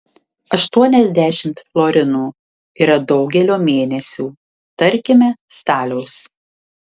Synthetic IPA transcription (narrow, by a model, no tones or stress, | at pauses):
ɐʃt̪uɔnʲɛzʲd̪ʲæʃʲɪmt̪flˠɔɾʲɪnuː | iːɾɐd̪ɒʊɡʲɛlʲoːmʲeːnʲɛsʲuː | t̪ɐɾʲkʲɪmʲɛst̪ɑːlʲɛʊs